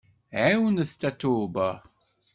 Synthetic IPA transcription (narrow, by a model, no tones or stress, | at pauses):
ɛwnəstatʰuːbə